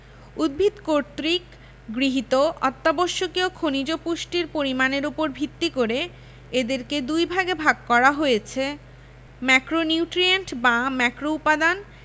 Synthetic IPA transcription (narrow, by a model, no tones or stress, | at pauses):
ud̪̚bʱit̪koɾt̪ɾik | ɡɾiɦit̪oʔɔt̪ːaboʃːokiokʰonid͡ʑopuʃʈiɾpoɾimaneɾupoɾbʱit̪ːikoɾe | ed̪eɾked̪ujbʱaɡebʱaɡ̚kɔɾaɦojet͡ɕʰe | mɛkɾoniuʈɾieɳʈbamɛkɾoupad̪an